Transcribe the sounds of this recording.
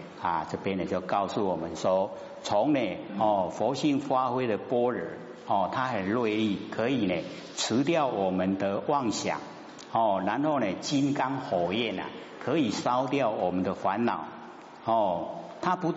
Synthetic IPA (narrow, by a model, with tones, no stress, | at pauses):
a˨˩t͡sɤ˥˧pjɛ˦nːe˨t͡ɕjo˥˧ʊkɑ˥˧ʊsu˥˩wɔ˨˩mə˦nswɔ˦ | t͡sʰɔ˨˦ŋne˨hɔ˥˨˩fɔ˨˦ɕi˥˨ŋfa˦xwe˥ɪd̪ə˨pwɔ˦ɻə˨˩˦ | hɔ˥˨˩t̪ʰa˦hə˨˩nlwe˥˧ɪli˥˨kʰə˨˧˦i˨˩ne˨˩ | t͡s̩ʰ˧˦t̪jɑ˥˨ʊwɔ˨˩mə˨˦nd̪ə˨wʔa˥˨ŋɕja̰˨˩˦ŋ | hɔ˥˩ɻa˧˦nho˥˩ne˨˩t͡ɕi˦nka˦ŋhɔ˨˩jɛ˥˨na̰˨˩ | kʰə˨˦i˨˩sɑ˦ʊt̪jɑ˥˨˩ʊwɔ˨˩mə˨˦nd̪ə˨fa˨˦nːɑ̰˨˩˦ʊ | hɔ˥˩t̪ʰa˦pu˧˦